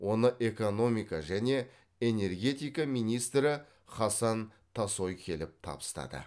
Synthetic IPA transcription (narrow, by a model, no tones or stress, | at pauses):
wo̞nəʔe̞ko̞no̞mijkɑʒæne̞ | ene̞rɡʲe̞t̪ijkɑmijnijst̪ɾɪ | χɑsɑn | t̪ʰɑso̞jkʲʰe̞lɪp̚t̪ʰɑ̰bəst̪ɑ̰d̪ə̰